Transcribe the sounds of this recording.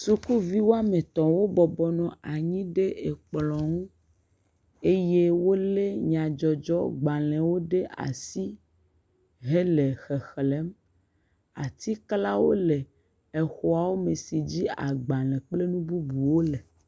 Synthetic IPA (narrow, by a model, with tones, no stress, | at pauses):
su˦ku˦vi˦wo˦a˦mẽ˨t̪ɔ̃˨wo˦bɔ˨bɔ˨nɔ̃˨a˨ɲĩ˦ɖe˦e˨k͡plɔ̃˨ŋũ˦ | e˦je˦wo˦le˦ɲã˨d͡ʒɔ˨d͡ʒɔ̰˦ɡ͡ba˨lɛ̃˨wo˦ɖe˦a̰˨si˦ | ɦe˦le˨xɛ˨xle˦m | a̰˨t̪i˦kla˦wo̰˦le˨ | e˨xo˨a˨wo˦me˨si˨d͡ʑi˦a̰˨ɡ͡ba˨lɛ̃˨k͡ple˦nũ˦bu˦bu˨wo˦le˨